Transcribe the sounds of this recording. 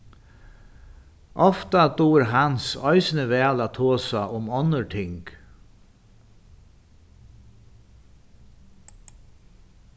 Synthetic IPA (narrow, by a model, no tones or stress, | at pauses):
ʔɔft̪at̪uːɾɦansɔʏsnəʋɛːlaːt̪ʰoːsaʔʊmɔnəɹʈʰɪŋk